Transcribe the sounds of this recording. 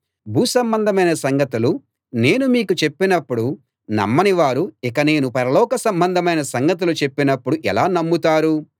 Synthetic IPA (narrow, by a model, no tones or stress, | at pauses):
bʱuːsɐmbɐnd̪ʱɐmɐjnɐsɐŋɡɐt̪ulu | ne̞ːnumiːkut͡ʃe̞pːinɐpːuɽu | nɐ̰mːɐniʋaːɾuikɐne̞ːnupɐɾɐlɔːkɐsɐmbɐnd̪ʱɐmɐjnɐsɐŋɡɐt̪̬ulut͡ʃe̞pːinɐpːuɽuʔɛlaːnɐmːut̪aːɾu